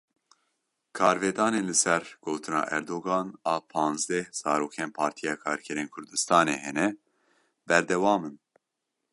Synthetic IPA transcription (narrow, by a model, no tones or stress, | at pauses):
kʰɑːɾveːd̪ɑːneːnlɨsɛɾɡ̥oːt̪ʰɨnɑ̰ːʔɛɾd̪oːɡɑːnɑːpʰɑːnzd̪ɛhz̥ɑːɾoːkʰeːnpʰɑːɾt̪ʰijɑːkʰɑːɾkʰɛɾeːnkʰʊɾd̪ɨst̪ɑːnḛːhɛnɛ | bɛɾd̪ɛwɑːmɨn